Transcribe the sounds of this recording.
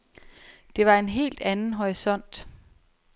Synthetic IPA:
d̥e̝ʋɑ̈e̝nɦe̝̰ːld̥ænn̩ɦɒʁisɒ̽n̰d̥

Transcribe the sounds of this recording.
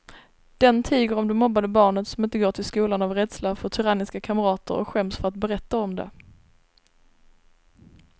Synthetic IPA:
d̪̥ɛnt̪ʰiːɡəɾɔmd̪ɛmɔbːad̪əbɑːɳət̪sɔmɪnt̪əɡoːʈʰɪlskuːlanavɾɛd̪slafœʈ̪ʰɵɾanɪskakʰaməɾɑːt̪ə̰ɾɔ̰kɧɛmsfœɾat̪̚bɛɾɛt̪ːaɔmd̪ɛ̰

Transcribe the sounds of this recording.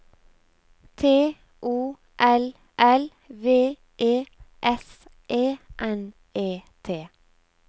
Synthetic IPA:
t̪ʰeː | ʔuː | ʔɛl | ʔɛl | ʋeː | ʔeːʔɛs | ʔeːʔɛn | ʔeːt̪ʰeː

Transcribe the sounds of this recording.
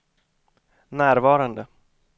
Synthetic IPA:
næːɾvɑːɾand̪ə

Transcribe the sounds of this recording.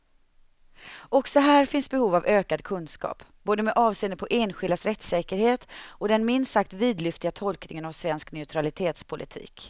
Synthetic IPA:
ɔksɔɦæːɾfɪnsbɛhuːvavøːkad̪kʰɵnskɑ̰ːpb̥oːd̪əmɛʔɑːvseːnəpʰɔʔeːnɧɪld̪asɾɛt̪sɛːkəɾheːt̪ɔd̪ɛnmɪnsak̚t̪viːd̪lʏft̪ɪɡat̪ʰɔlknɪ̰ŋənavsvɛnsknɛʉt̪ʰɾalɪt̪ʰeːt̪spʰʊlʔɪ̰t̪ʰḭːk

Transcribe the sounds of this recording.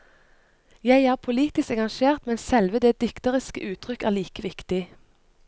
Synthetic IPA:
jæɪæːʁpʰʊliːt̪ɪskɑŋɑŋʃeːʁt̪mɛnsɛlʋəd̪eːd̪̥ɪkt̪əʁɪskə̰ʔʉːt̪ʰʁʏkæːʁliːkəʋɪkt̪ɪ

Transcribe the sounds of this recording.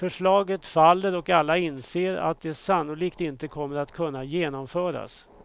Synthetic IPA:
fœʂɭɑːɡət̪falːəɾɔkalːaɪnseːɾa̰t̪̚d̪ɛsanːʊliːkt̪ɪnt̪əkʰɔmːəɾat̪kʰɵnːajeːnɔmfœːɾa̰s

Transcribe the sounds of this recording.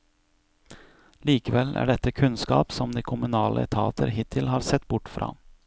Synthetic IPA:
liːkəʋɛlæ̰ːɖɛt̪ːəkʰʉnskɑ̰ːpsɔmd̪iːkʰʊmʉnɑːlʔəɛt̪ʰɑːt̪əɾɦɪt̪ʰɪlɦɑːɾsɛt̪ːbʊʈːfɾɑ̰ː

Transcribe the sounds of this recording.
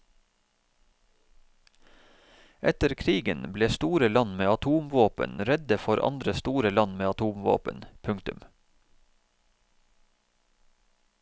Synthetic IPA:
ʔɛt̪əɾkʰɾiːɡənbleːst̪uːɾəlɑnmeːɑt̪ʰuːmʋoːpə̰nɾɛd̪əfɔɾʔɑ̰nd̪ɾəst̪uːɾəlɑnmeːɑt̪ʰuːmʋo̰ːpə̰npʰʉŋt̪ʉm

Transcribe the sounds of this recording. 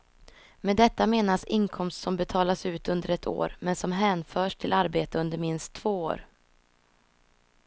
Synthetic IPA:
meːd̪ɛt̪ːameːnasɪŋkʰɔmst̪sɔmbɛt̪ʰɑːlasʉ̟ːt̪ɵnd̪əɾɛt̪ʰo̰ːɾmɛnsɔmɦɛːnfœːʂʈʰɪlʔaɾbeːt̪əɵnd̪əɾmɪnst̪ʰːv̥oːo̰ːɾ

